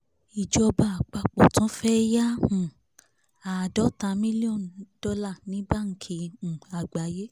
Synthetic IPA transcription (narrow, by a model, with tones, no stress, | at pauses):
i˨d͡ʒɔ˧ba˧˨a˨k͡pa˧k͡pɔ˨tũ˨˦fɛ˦ja˦ũ˨ | a˨dɔ˨˦tã˨˦mĩ˦li˦ɔ̃˦˨ndɔ˧la˦˨nĩ˨˦ba˦˨ŋ̩˨kʰi˧ũ˨a˨ɡ͡ba˨˦je˦